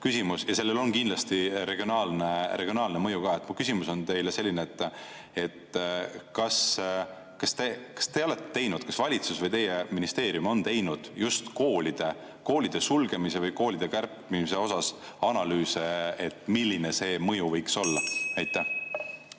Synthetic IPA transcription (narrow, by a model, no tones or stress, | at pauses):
kysʲimusjɑse̞lːe̞lo̞nkind̪lɑst̪iɾe̞ɡ̥ʲionɑːlnerʔe̞ɡ̥ʲionɑːlne̞mɤjuɡɑːe̞t̪ːmukys̬ʲimuso̞nt̪e̞jlese̞lːineːt̪ːˑ | e̞t̪kɑs | kɑst̪e̞kɑ̥st̪e̞o̞le̞t̪ːet̪e̞jnud̪̥kɑsvɑlʲit̪susvɤjt̪e̞jːeminist̪e̞ːɾijumo̞nt̪e̞jnud̪̥just̪ko̞ːlid̪̥e̞ | ko̞ːlʲid̪̥e̞sulɡe̞mise̞vɤjko̞ːlid̪̥e̞kærpmimise̞o̞sɑs | ɑnɑlyːseet̪ːˑmilʲːinese̞ːmɤjuvɤjkso̞lːɑæjt̪ˑːæh